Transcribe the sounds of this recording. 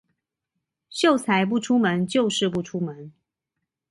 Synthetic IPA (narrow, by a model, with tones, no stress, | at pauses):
ɕjo˥˩ʊt͡sʰa˧˥ɪp̬u˥˩ʈ͡ʂʰu˥mə˧˦nt͡ɕjo˥˧ʊʂɻ̩˥˧p̬u˥˩ʈ͡ʂʰu˥mə˨˦n